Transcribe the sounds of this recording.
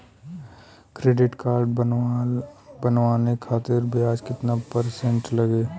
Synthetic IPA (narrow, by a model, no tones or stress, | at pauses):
kɾeːɖɪʈkaːɾɖ | bɐnʋaːnekʰaːt̪ɪɾbʱiaːd͡ʒkɪt̪napəɾsẽɳʈlɐɡeː